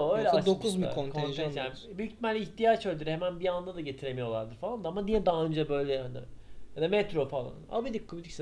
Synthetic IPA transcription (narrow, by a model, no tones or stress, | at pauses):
øjlʲɛad̪okʰuzmikʰonkʰonʒʰesjaːnibyjyct̪ʰmæɾlʲɛiçt̪ijat͡ʃøld̪yɾhemænbiand̪ad̪aɟe̞t̪ʰiɾe̞mijo̞lˠa̰ɾd̪ɯɾfalˠand̪aamanijɛd̪aːɯnd͡ʒabø̞jlʲɛnd̪ajad̪amɛt̪ɾo̞falˠa̰na̰bid̪ikʰːubid̪ics